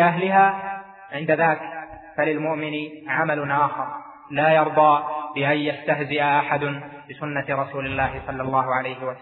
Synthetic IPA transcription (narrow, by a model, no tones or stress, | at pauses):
ʔaɦlɪɦaː | ʕɪnd̪aðaːk | falɪlmʊʔmɪnɪʕamalʊnʔaːxɑɾˤ | laːjɑɾˤd̪ˤɑːbɪʔanjast̪aɦzɪʔaʔaħad̪ʊnbɪsʊnːaɾˤɑsuːlɪlːaːhɪsˤɑlːɑlːɑːɦʊʕalajhɪwa